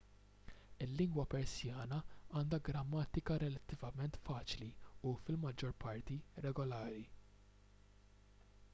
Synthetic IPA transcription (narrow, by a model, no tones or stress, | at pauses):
ɪlːɪŋɡwɐpɛɾsjɐːnɐɐːnd̪ɐɡɾɐmːɐːt̪ɪkɐɾɛlɐt̪ːɪvɐmɛnt̪fɐːt͡ʃliufɪlmɐd͡ʒːɔɾpɐɾt̪iɾɛɡɔlɐːɾi